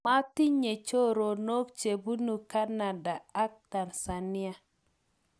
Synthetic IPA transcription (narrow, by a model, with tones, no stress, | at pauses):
ma˦ti˦ɲe˨t͡ʃo˦ɾo˨no˦kt͡ʃe˨bu˦nu˨ka˦na˨da˨a˦k̚ta˨nsa˨ni˦a˨